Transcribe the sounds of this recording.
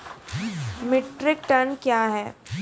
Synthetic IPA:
mɪʈɾɪk̚ʈɐnkjaːɦɛː

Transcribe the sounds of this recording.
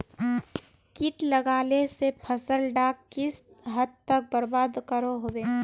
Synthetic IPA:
kɪʈləɡaːlesepʰəsəlɖaːkːɪs | ɦəd̪̚t̪ək̚bəɾbaːd̪kəɾoɦoːweː

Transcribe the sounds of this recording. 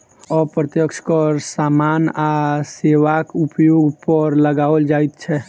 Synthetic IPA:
ɔpɾət̪jəkt͡ʃʰkəɾsamanaseʋakupjoɡpəɾləɡaəld͡ʒait̪̚t͡ʃʰɛ

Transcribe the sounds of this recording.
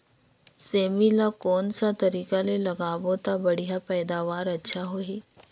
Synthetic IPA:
seːmilakɔːnsat̪ɐɾiːkalelɐɡaːʋot̪abɐɽ̤ijapɛːd̪aːʋaːɾɐtːʃʰaɦoːɦiː

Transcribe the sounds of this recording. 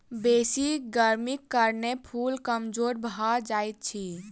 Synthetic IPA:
besiɡəɾmikːəɾnepʰulkəmd͡ʒoɾbʱɦad͡ʒajt̪̚t͡ʃʰi

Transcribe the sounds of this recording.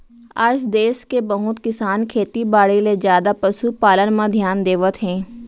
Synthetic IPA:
aːd͡ʒd̪eːskebəɦʊt̪kɪsaːnkʰeːt̪ibaːɽelezjaːd̪apɐʃupaːlənmãd̪ʱjaːnd̪eːʋət̪ɦɛ̃ː

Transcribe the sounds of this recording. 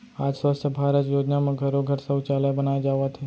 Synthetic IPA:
aːd͡ʒswəst̪ʰjəbʱaːɾət̪joːd͡ʒnamẽɡʱɐɾoɡʱɐɾsɐt͡ʃaːləbɐnaːed͡ʒaːʋat̪ʰeː

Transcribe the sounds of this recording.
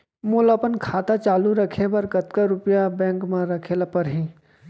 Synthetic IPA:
muːləpənkʰaːt̪at͡ʃaːluɾɐkʰebɐɾkɐt̪kaɾʊpjabɛ̃ːŋkmãɾɐkʰelapɐɾɦĩː

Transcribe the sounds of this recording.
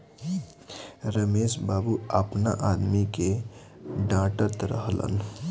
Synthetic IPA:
ɾəmeːʃbaːbuəpna̰ʔaːd̪mike | ɖãːʈət̪ɾə̰ɦlə̰n

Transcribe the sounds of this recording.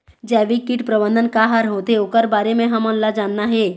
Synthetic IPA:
d͡ʒɛːʋikiʈpɾəbə̃nd̪ənkaɦaɾɦot̪eokəɾbaːɾemẽɦəmonlad͡ʒaːnːaɦe

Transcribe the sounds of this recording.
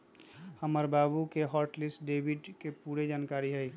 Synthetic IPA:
həməɾbabukeɦəɾʈlisʈɖebʱiɖkepuɾed͡ʒankaɾiɦəj

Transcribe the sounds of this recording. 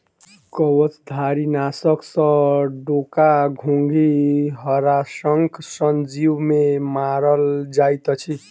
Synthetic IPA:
kʌwʌt͡sd̪ʱaɾinasʌksʌ̃ɖokaɡʱoŋɡiɦʌɾasʌŋkʰsʌnd͡ziwmemaɾʌld͡zajt̪ʌt͡sʰi

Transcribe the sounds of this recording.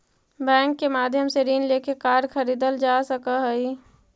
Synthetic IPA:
bɛ̃ːŋkːemaːd̪ʱjəmseɾiːnleːkekaːɾkʰəɾiːd̪əld͡ʒasəkəɦəi

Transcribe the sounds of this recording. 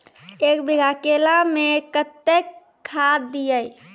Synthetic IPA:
ekbiɡʱakelamekət̪ːekʰː | ad̪ːijəj

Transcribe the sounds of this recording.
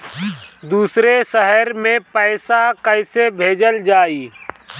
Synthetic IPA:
d̪uːsɾeʃəɦəɾmẽpəːsakəɪsebʱeːd͡ʒəld͡ʒaːiː

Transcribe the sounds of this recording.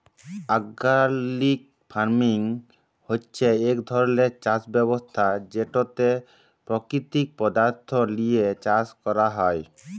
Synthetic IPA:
aɡalik̚ | pʰaɾmiŋ | hotːt͡ɕʰeekd̪ʱɔɾɔlet͡ʃasbɛbost̪ʰad͡ʑeʈot̪e | pɾɔkɾit̪ik̚pɔd̪aɾt̪ʰɔlijet͡ɕaskɔɾaɦɔj

